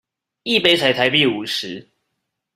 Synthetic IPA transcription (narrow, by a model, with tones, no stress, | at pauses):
i˥˨pe˥ɪt͡sʰa˨˩ɪt̪ʰa˧˦ɪpi˥˨u˨˩ʂɻ̩˨˦